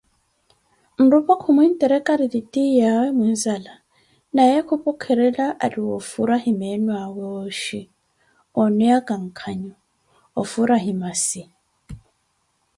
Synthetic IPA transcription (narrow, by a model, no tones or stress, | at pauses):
n̩ɾupʼɔkʰʊmwin̩tʼɛɾɛkʼaɾiditʼijawɛmin̩zala | najɛkʰupʼɔkʰɛɾɛlaʔaɾiwɔfuɾahimɛnwawɛɔʃi | ɔnɛakʼaŋ̩kʰaɲɔ | ɔfuɾaɦimasi